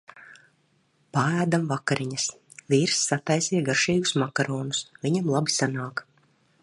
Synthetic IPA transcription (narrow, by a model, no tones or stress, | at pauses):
paæːd̪amvakaɾiɲas | viːɾsːat̪ajsijɛɡaɾʃiːɡusmakaɾɔːnusvʲiɲamlˠabisanaːk